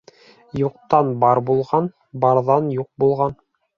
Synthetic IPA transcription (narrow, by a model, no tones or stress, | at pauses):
juqt̪ɑnbɑɾbulˠʁɑn | bɑɾðɑnjuq̚bulˠʁɑn